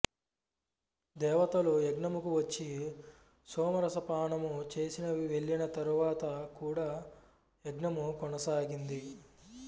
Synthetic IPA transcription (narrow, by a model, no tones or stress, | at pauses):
d̪ɛːʋɐt̪ɐlojeɡɳɐmukuʋɐt͡ʃːi | sɔːmɐɾɐsɐpaːɳɐmut͡ʃe̞ːsinɐʋeɭːinɐt̪ɐɾuʋaːt̪ɐkuːɽaː | eɡɳɐmukɔnɐsaːɡind̪i